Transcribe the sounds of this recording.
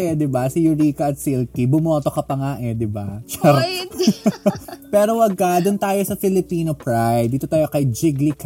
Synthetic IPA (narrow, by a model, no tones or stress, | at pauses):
ɛd̪ɪbasijʊɾiːkɐɐt̪silkibʊmoːt̪okɐpɐŋaʔɛd̪ɪbat͡ʃɛɾ | pɛːɾowɐɡad̪ʊnt̪aːjosɐfɪlɪpiːnopɹajd̪ːiːt̪ot̪aːjo̞kɐjd͡ʒɪɡlik